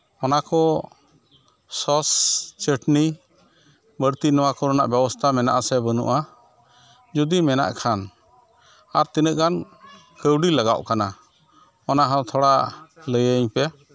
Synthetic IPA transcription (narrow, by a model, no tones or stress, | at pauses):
ɔnakɔ | sɔst͡ʃəʈni | bəɽt̪inɔwakɔɾɔna̰ʔbɛbɔst̪ʰamɛna̰ʔasɛbənṵʔa | d͡ʒud̪imɛna̰ʔkʰan | aɾt̪inəʔɡan | kəwɖiləɡa̰ʔkana | ɔnaɦɔ̃t̪ʰɔɽaləjəɲpɛ